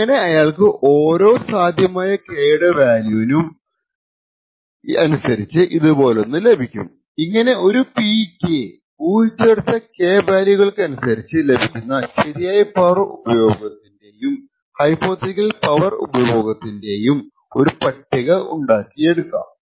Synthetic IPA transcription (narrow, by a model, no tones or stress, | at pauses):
iŋːɐne̞ɐjaːɭkɨʔoːɾo̞ːsaːd̪ʱjɐmaːjɐkeːɽɐʋaːljuːnum | ɐnusɐɾit͡ɕːɨʔiðubo̞ːlo̞nːɨle̞bʱikʲːṵm | iŋːɐne̞o̞ɾupiːkːe | uːt͡ɕːeɽut̪ːɐke̞ːbaːljuɣɐɭkɨɐnusɐɾit͡ɕːɨle̞bʱikʲːunːɐɕɐɾijaːjɐpɐrṵbɐjo̞ːɡɐt̪ːinde̞jum | hɐjpːo̞ːt̪ikːɐlpɐʋɐrṵbɐjo̞ːɡɐt̪ːinde̞jum | o̞ɾupɐʈːiɣɐʔuɳɖaːkːije̞ɽukːa̰ːm